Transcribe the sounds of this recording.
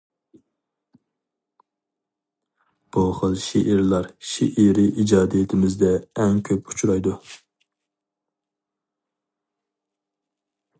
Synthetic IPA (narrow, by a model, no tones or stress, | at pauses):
b̥uχəlˠʃeʔiɾlˠɑɾʃeʔiɾɪʔid͡ʒɑːd̪ijet̪ʰɪmɪzd̪ɛːŋkʲʰøpu̥t͡ʃʰuɾɑjd̪u